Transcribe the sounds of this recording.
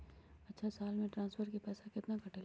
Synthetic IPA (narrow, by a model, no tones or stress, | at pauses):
ɐtːʃʰasaːlmẽʈɾãːnsfʰəɾkepɛːsakɪt̪nakʰɐʈeːl